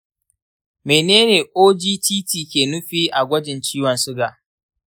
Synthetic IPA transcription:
meː˨neː˦neː˨ʔoː˦d͡ʒiː˦tiː˦tiː˨kʲeː˨nʊ˦ɸiː˦ʔa˨ɡʷɐ˦d͡ʒɪ˨nt͡ʃiː˦wɐ˨nsʊ˦ɡa˨

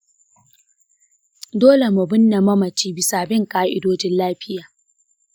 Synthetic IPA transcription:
doː˦le˨ma˨bʊ˦nːa˨mɐ˦mɐ˨t͡ʃiː˦bɪ˨saː˨bɪ˦ŋkaː˨ʔɪ̰˨doː˦d͡ʒɪ˦nlaː˦ɸɪ˦jaː˨

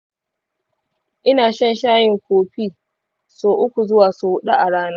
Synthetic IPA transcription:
ʔɪ˦naː˨ʃɐ˦nʃaː˦jɪ˨ŋkʷoː˨ɸiː˦ | soː˨ʔʊ˦kʷu˨zʊ˦waː˨su˨hʊ˦ɗa˦ʔa˨ɽaː˦naː˦

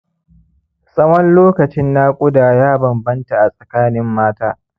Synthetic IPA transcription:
sʼɐ˦wɔ˦nloː˦kɐ˨t͡ʃɪ˦nːaː˦kʷʼʊ˦daː˨jaː˦bɐ˨mbɐ˦nta˨ʔa˨sʼɐ˨kaː˦nɪ˦mːaː˦taː˦

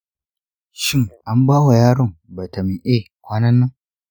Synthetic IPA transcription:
ʃɪ˦ŋʔa˦mbaː˦wa˨jaː˦ɽʊ˦˨ŋba˨ta˨mi˨ʔe˦ | kʷaː˦nɐ˦nːɐ˦ŋ

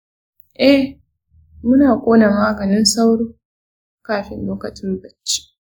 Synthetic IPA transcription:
ʔɛ˦ | mʊ˦naː˨kʷʼoː˦na˨maː˦ɡɐ˨nɪ˦nsa˦wɽoː˦ | kaː˦ɸɪ˦nloː˦kɐ˨t͡ʃɪ˦mbɐ˦t͡ʃːi̥˦

